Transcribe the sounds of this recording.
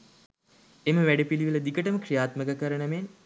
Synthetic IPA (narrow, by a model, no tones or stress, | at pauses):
eməʋæɖepiliʋilɐd̪ikəʈəməkrijaːt̪məkəkəɾənəmen